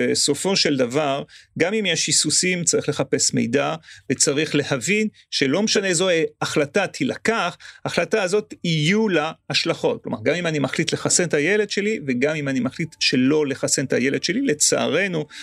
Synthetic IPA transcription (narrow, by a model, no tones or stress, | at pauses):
eso̞fo̞ʃe̞ldavaʁɡamimjɛʃisusimt͡saʁiχle̞χape̞sme̞̰jdavet͡saʁiχle̞havin | ʃe̞lo̞meʃanezo̞eaχlatat̪ʰilakaχaaχlataːzo̞tijulaaʃlaχo̞t̚klo̞ma̰ʁɡamimanimaχlit̪le̞χase̞ntaje̞le̞d̪ʃe̞liveɡamimanimaχlit̪ʃe̞lo̞le̞χase̞ntʰajele̞d̥̪ʃe̞lile̞t͡sa̰ʔːʁe̞nu